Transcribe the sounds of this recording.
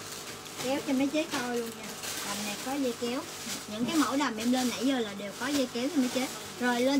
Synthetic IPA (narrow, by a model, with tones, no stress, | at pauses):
kɛ˨˦wt͡ɕɔ˧ma˨˦jt͡ɕə˨˦˥t̚t̪ʰo˧jlu˧əŋɲa˧laː˨˩mna˨˩jkɔ˨˦zə˧kɛ˨˦w | ɲɨ̰˧˥ŋkaː˨˦jmo̰˧˩wɗa˨˩mʔɛ˧mlə˧nːa̰˧˩jzəː˧˩laː˨˩ɗe˨˩wkɔ˨˦zə˧ki˨˦əwt͡ɕɔ˧maː˨˦jt͡ɕə˨˦˥ | zo˨˩jləː˧